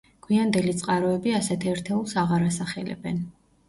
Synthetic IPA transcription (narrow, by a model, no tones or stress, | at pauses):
ɡ̥ʰwiand̪ɛlit̪sʼqʼaɾɔɛbiasɛt̪ʰɛɾt̪ʰɛulˠsaʁaɾasaχɛlɛ̰bɛ̰n